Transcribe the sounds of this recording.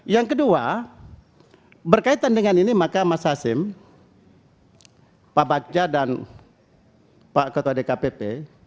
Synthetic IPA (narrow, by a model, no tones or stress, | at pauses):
jaŋkədua | bərkait̪andəŋaninimakamasaːsɪm | pabak̚d͡ʒadan | pakət̪uadekapepe